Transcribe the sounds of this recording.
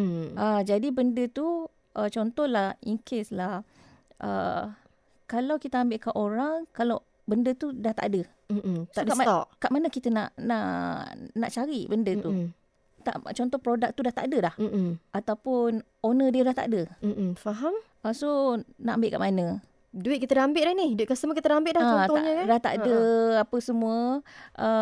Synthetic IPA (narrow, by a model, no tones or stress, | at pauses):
ad͡ʒadibəndət̪u | ʔət͡ʃɔnt̪ɔhlahiŋkʰeslah | ʔə̰ | kalawkit̪əambɪʔkaʔoɾaŋkalaw | bəndət̪udaht̪a̰ʔadə | tsadaɔʔkaʔmanəkit̪ənã̰ʔnaʔnaʔt͡ʃaɾiʔbəndət̪u | t̪a̰ʔt͡ʃɔnt̪ɔhpɾodak̚t̪udaht̪a̰ʔdəlah̩ʔat̪awpʊn | onədiədaht̪a̰ʔdəm̩faɦam | asonaʔambɪtʔ̚kaʔmanə̃ | duɪt̪̚kit̪ədaambɪtlanihduɪt̪̚kasəmukit̪ədaambɪt̪ʔ̚dlaat̪ɔɲəkadaht̪a̰ʔdəapəsəmũəʔə